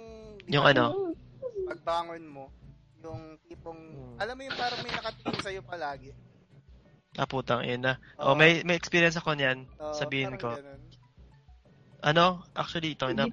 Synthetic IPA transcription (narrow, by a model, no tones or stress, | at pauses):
jʊŋʔɐno̞ | pɐɡ̚baːŋonmo | jʊŋt̪iːpoŋʔɐlamːojʊŋpaːɾɐŋmɐjnɐkɐt̪ilɪŋsɐjopɐlaːɡɛ | ɐ̰puːt̪ɐŋɐ̰jʊnːɐʔo̰mɐjmɐjʔɛkspiːɾjɐns̬ɐko̞njansɐbiːhɪnko̞ | ʔɐno̞ʔa̰k̚t͡ʃʊɐliɪt̪oŋɪna